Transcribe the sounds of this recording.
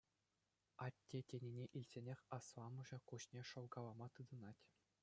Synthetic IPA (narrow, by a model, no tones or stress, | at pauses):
ɑtʲːetʲenʲenʲeʔilʲsʲenʲexʲɑsʋɑmɤ̆ʐɤ̆kuɕnʲeʂɤ̆lɡɑlˠɑmɑt̪ɯd̪ɤ̆nɑtʲ